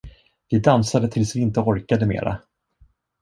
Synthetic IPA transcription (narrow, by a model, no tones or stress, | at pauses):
vɪd̪ansad̪ət̪ʰɪlsvɪɪnt̪əɔɾkad̪əmḛːɾa̰